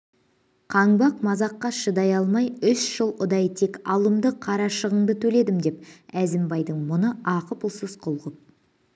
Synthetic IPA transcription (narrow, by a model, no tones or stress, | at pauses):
qʰɑɴbɑq̚mɑzɑqːɑʃəd̪ɑjɑlˠmɑjʏsʒəlˠʊd̪ɑjt̪ʰe̞kɑlˠəmd̪əqʰɑɾɑʃəʁəɴd̪ət̪ʰɵle̞d̪ɪmd̪e̞p̚æzɪmbɑjd̪əɴmʊnəɑqəpʊlˠsəzqʰʊlˠʁəp̚